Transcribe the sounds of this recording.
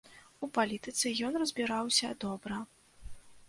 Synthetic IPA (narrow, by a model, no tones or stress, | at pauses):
upalʲit̪ɨt̪sɨjɔnrɐzʲbʲiɾawsʲɐd̪ɔbɾɐ